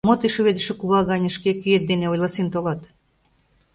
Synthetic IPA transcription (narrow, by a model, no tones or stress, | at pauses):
mot̪iʃuβed̪ə̆ʃĕkuβɑɣɑnʲə̆ʃkekyet̪̚d̪eneojlɑsint̪olɑt̪